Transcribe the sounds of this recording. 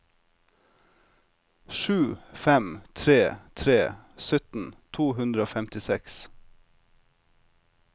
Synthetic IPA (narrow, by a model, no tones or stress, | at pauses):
ʃʉːfɛmt̪ʰɾeːt̪ʰɾeːsœt̪n̩t̪ʰuːɦʉnd̪ɾəoːfɛmt̪ɪsɛks